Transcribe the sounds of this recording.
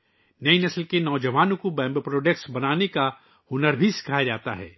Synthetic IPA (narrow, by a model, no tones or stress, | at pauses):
nɐinɐslkenɔːd͡ʒɐʋaːnõkobɛ̃ːmbpɾoːɖek̚ʈsbɐnaːneka | hʊnəɾbʱisɪ̥kʰaːjad͡ʒaːt̪aɦɛ̰ː